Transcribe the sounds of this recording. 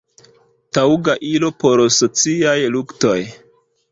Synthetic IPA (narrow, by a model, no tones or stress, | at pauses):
tawɡaʔilo̞po̞ɾsot͡siajlukto̞j